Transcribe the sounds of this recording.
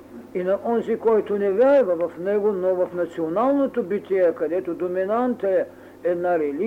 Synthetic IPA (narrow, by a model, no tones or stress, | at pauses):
inɐʔɔnzikɔjt̪onɛvʲaɾvɐvɐfnɛɡonovɐfnɐt̪sionalˠnot̪obit̪ʲiɛkɐd̪ɛt̪od̪ominant̪ɛ | ɛd̪naɾɛlʲi